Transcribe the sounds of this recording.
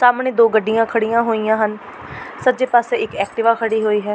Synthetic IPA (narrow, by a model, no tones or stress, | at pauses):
saːmɳeːd̪oːɡəɖːijãːkʰəɽijãːɦoːijãːɦən | sət̪ːd͡ʒeːpaːseːɪkɛːk̚ʈɪʋaːkʰəɽiːɦoːiːɦɛː